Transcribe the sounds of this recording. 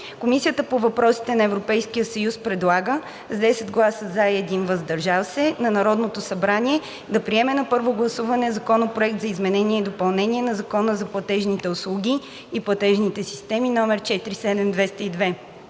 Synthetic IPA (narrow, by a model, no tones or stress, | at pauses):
komisʲiət̪əpovɐpɾɔsi̥t̪ɛnɐɛvɾopɛjskijəsɐjuspɾɛd̪lˠaɡə | zd̪ɛsɛd̪ɡlˠasəzaɛd̪invɐzd̪ɐɾʒafsɛnɐnɐɾɔd̪not̪osɐbɾaniɛ | d̪ɐpɾiɛmɛnɐpɤɾvoɡlˠɐsuvɐnɛzɐkɔnopɾoɛk̚t̪zɐizmɛnɛniɛid̪opɐlˠnɛnʲiɛnɐzɐkɔnəzɐplˠɐt̪ɛʒnit̪ɛʊslˠuɡ̟ʲi | iplˠɐt̪ɛʒnit̪ɛsi̥st̪ɛminɔmɛɾt͡ʃɛt̪ɾisɛd̪ɛmd̪vɛst̪əid̪vɛ